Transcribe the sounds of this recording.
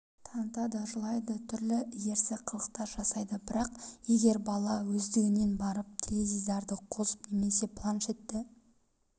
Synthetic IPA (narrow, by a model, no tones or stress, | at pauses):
t̪ʰɑnət̪ɑd̪əʒʊlˠɑjd̪ət̪ʰʏɾlɪje̞ɾsɪqʰəlˠəq̚t̪ɑɾʒɑsɑjd̪əbɪɾɑqje̞ɡʲe̞ɾbɑlˠɑwɵzd̪eɾɪne̞nbɑɾəp̚t̪ʲʰelezizd̪ɑɾd̪əqʰo̞sə̥pne̞me̞se̞pʰlˠanʃe̞t̪ːɪ